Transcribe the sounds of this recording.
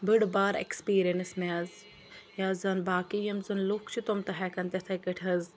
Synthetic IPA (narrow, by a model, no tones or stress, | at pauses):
bɨɽbaːɾḛkspiːɾijɐnsmʲaːz | jaːzɐnbaːkijɐmzɨnlukt͡ʃʰit̪omt̪ɐɦɛkɐnt̪ɐt̪ʰɐkəʈʰɐz